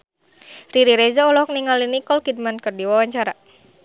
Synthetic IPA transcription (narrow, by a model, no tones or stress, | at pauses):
riɾiɾezaɔlɔk̚niŋalinikɔlkid̚mankərdiwawaɲt͡ʃaɾa